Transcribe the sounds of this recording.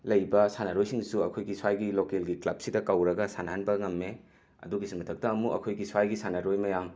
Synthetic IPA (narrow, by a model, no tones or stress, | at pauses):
lɐjbɐsanɐɾojsiŋsuɐkʰojɡiswajɡilokelɡiklɐb̚sidɐkɐwɾɐɡɐsanɦanbɐŋɐmːe | ɐ̰duɡisimɐtʰɐk̚tɐːmuɐ̰kʰojɡiswajɡisanɐɾojmɐjam